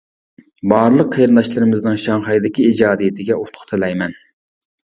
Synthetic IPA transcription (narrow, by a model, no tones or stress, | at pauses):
bɑːɾlˠəqʰːejɾɨnd̪ɑʃlˠɨɾɨmɪznɨŋʃɑŋχɑjd̪ɪkʲiid͡ʒɑːd̪ijɪt̪ʰɪɡʲɛʔot̪ʰt̪ʰɨlɛjmɛn